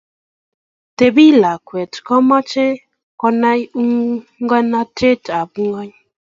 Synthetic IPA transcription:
te˨bi˦˨la˨kwe˨tkɔ˦ma˦t͡ʃe˦ | kɔ˧na˦ju˦ŋ˦ŋɡa˦na˦te˦ta˨bu˦ŋɡɔ˦ɲ˦

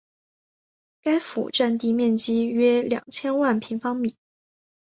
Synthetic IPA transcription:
ka˥ɪfṵ˨˩ʈ͡ʂa˥˧nt̪i˥˧mjɛ˥˩nt͡ɕi˥ɥɛ˥ljɑ̰˨˩ŋt͡ɕʰjɛ˥nwa˥˩npʰi˧˥ŋfɑ˥ŋmi˨˩˦

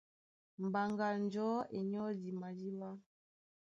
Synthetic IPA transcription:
m̩˨ba˨ŋɡa˨n˦d͡ʒɔ˦e˨ɲɔ˦di˨ma˨di˦wa˦

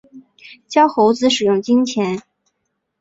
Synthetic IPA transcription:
t͡ɕjɑ˥ʊxo˧˥ʊt͡sɹ̩˧˥ʂɻ̩˨˩jʊ˥˩ŋt͡ɕi˥ŋt͡ɕʰjɛ˧˥n

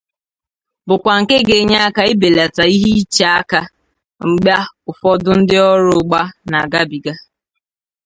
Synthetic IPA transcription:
bʊ˨kʷa˨ŋ̩˨ke˦ɡe˨ɲa˦a˦ka˦ɪ˦be˨la˨ta˨i˦ɦi˦t͡ʃa˨a˦ka˦ | ŋ͡m̩˨ɡ͡bja˦ʊ˨fɔ˦dʊ˦n̩˦dɪ˦ɔ˦ɾʊ˨ɡ͡ba˦na˨ɡa˦bi˨ɡa˦

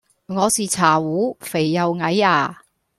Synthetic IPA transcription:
ŋɔː˨˧siː˨t͡sʰaː˨˩wuː˨˥fe˨˩jːɐ˨˧wŋɐ˨˧˥jaː˧˩

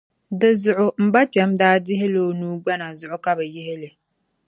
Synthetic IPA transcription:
dɨ˨zʊ˨ʔʊ˦m̩˨ba˦t͡ʃɛ˨˦mdaː˦dɪ˦ɦɪ˦lo˦nuː˦ɡ͡ba˦na˨zʊ˨ʔʊ˦ka˦bɛ˨jɪ˦ɦɪ˦lɪ˨

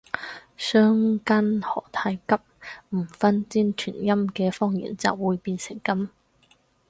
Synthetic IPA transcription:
sœː˥ŋka˥nhɔ̰ː˨˩t̪ʰaː˧jkɐ˥p̚m̩˨˩fɐ˥nt͡siː˥nt͡ʃʰy̰ː˨˩njɐ˥mkɛː˧fɔː˥ŋjḭː˨˩nt͡sɐ̰˨wwuː˨˧jpiː˧nsɪ˨˩ŋkɐ˥m

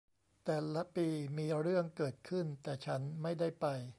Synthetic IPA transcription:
t̪ɛː˨˩lːa˦˥piː˧miː˧ɾɯ˥˩əŋkɤː˨˩t̪̚kʰɯ˥˩nt̪ɛː˨˩t͡ɕʰa˦˥nma˥˩jda˥˩jjpa˧j

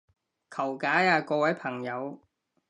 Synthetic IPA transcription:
kʰɐ˨˩wkaː˨˥jaː˧kɔː˧wɐ˨˥jpʰɐ˨˩ŋjɐ˨˧w

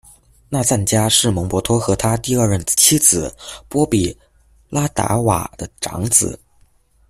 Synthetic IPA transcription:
na˥˧t͡sa˥˩nt͡ɕja˥ʂɻ̩˥˩mɤ˧˥ŋpwɔ˧˥t̪ʰwɔ˥xɤ˧˥t̪ʰa˥t̪i˥˧ɐ˞˥˧ɻə˥˩nt͡ɕʰi˥d͡zɹ̩˨˩pwɔ˥pi˨˩ | la˥t̪a̰˧˥wa̰˨˩d̪ə˦ʈ͡ʂɑ̰˧˥ŋt͡sɹ̩˨˩˦

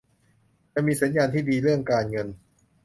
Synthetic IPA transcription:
t͡ɕa˧˨miː˧sa˩˦njaː˧nt̪ʰiː˥˩diː˧ɾɯ˥˩əŋkaː˧nŋɤ˧n

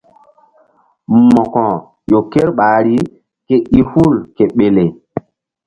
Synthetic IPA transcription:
mɔ˨kɔ̃˨ | jo˨ke˦ɾɓaː˨ɾi˦ | ke˦ʔi˦hu˦˨lke˨ɓe˨le˨

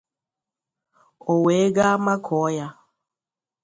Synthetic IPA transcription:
o˨weː˨˦ɡa˦ma˦kʰɔː˨˦ja˦

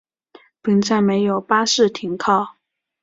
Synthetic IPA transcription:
pi˧˥ŋt͡sa˥˩ɪme˧˥ɪjo˨˩ʊpa˥ʂɻ̩˥˩t̪ʰi˧˥ŋkʰɑ˥˩ʊ

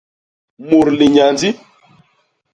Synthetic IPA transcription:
mu˨ɾli˨ɲa˨nd͡zi˦

